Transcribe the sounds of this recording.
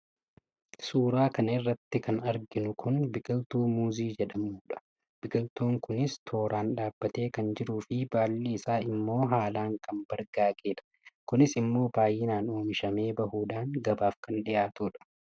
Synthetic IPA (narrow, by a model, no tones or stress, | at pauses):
suːɾaːkɐnɪrːɐt̪ːɪkɐnɐɾɡɪnʊkʰʊnbɪɡɐlt̪uːmuːziːd͡ʒɛᶑɐmuːᶑɐ̥ | b̥ɪɡɐlt̪oːŋkʊnɪst̪ʰo̞ːɾaːnᶑaːbːɐt̪e̞ːkɐnd͡ʒɪɾuːfɪbaːlːiːɪsaːɪmːo̞ːɦaːlaːŋkʰɐmb̥ɐɾɡaːɡeːᶑɐ̥ | kʊnɪsɪmːo̞ːbaːjːɪnaːnoːmɪʃɐme̞ːbɐhuːᶑaːŋɡɐbaːfkɐnᶑɪʔaːt̪uːᶑɐ̥